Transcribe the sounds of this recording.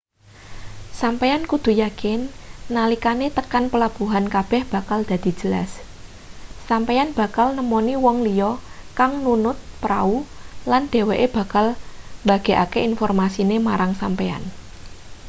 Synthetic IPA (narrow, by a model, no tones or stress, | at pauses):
sampeankud̪̥ṳjakɪnːalikanet̪əkanpəlab̥ṳɦankab̥ɛ̤hb̥a̤kald̪̥ä̤d̪̥i̤̥d͡ʒ̥ə̤la̰sː | ampejanb̥a̤kalnəmoniwɔŋlijɔkaŋnunʊt̪̚pɾaulanɖ̪̥e̤weʔeb̥ä̤kalmba̤ɡ̥e̤ʔakeinfɔrmasinemaɾaŋsampea̰n